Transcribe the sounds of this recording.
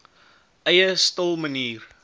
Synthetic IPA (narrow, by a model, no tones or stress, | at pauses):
ʔəjəstəlˠməniːr